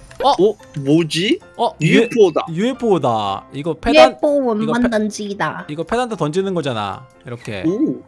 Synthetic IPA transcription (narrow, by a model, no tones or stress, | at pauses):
ʌo | mod͡ʑi | ʌuepʰoda̰juepʰodaiɡʌpʰeenp͈ʰowʌnmandand͡ʑiidaiɡʌpʰe̞dandʰotʌnd͡ʑinɯnɡʌd͡ʑana̰ | iɾʌkʰe̞̰o